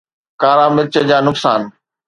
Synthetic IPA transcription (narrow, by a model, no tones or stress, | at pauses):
kaːɾaːmɪɾt͡ɕəd͡ʑaːnʊksaːn